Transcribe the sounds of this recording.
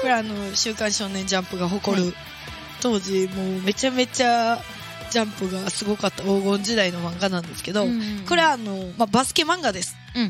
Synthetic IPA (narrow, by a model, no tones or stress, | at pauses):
ko̞ɾeano̞ɕɨːkãɰ̃ɕo̞ːnẽ̞ɲ̟d͡ʑãmpɯ̟ɡaɦo̞ko̞ɾɯ̟ | t̪o̞ːʑimo̞ːme̞t͡ɕame̞t͡ɕa | d͡ʑãmpɯ̟ɡasɨɡo̞kat̪ːaoːɡõ̞ɲ̟d͡ʑid̪aino̞mãŋɡanãnd̪e̞sɨ̥ke̞d̪o̞ko̞ɾe̞βaːno̞mabasɨ̥ke̞mãŋɡad̪e̞sɨ̥